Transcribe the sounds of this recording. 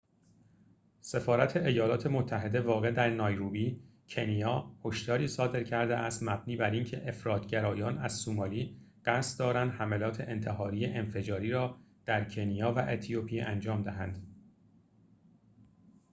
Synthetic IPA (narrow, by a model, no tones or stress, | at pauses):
se̞fɒːɾæt̪ʰe̞ʔejɒːlɒːt̪ʰe̞mot̪ʰːæɦe̞d̪e̞vɒːɣe̞d̪æɾnɒːjɾuːbiː | cʰe̞nijɒːho̞ʃd̪ɒːɾiːsɒːd̪e̞ɾcʰæɾd̪eʔæst̪mæb̚niːbæɾincʰe̞̰ʔefɾɒːt̪ʰɟæɾɒːjɒːnæz̥sumɒːliːɢ̥æst̪d̪ɒːɾænd̪hæmelɒːt̪ʰe̞̰ʔent̪ʰe̞ɦɒːɾiːjeʔenfe̞d͡ʒɒːɾiːɾɒːd̪̥æɾcʰe̞nijɒːvæʔet̪ʰijopʰijḛʔænd͡ʒɒːmd̪æɦænd̪̥